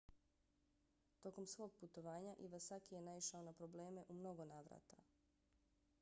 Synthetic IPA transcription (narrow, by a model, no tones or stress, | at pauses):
t̪o̞ko̞msʋo̞ːɡ̚put̪o̞ʋaːɲaʔiʋasakije̞naiʃao̞napɾo̞ble̞ːme̞ʔumno̞ɡo̞naːʋɾa̰t̪a̰